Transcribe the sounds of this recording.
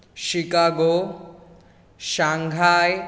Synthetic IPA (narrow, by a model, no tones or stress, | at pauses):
ʃikaɡoː | ʃaŋɡʱaːj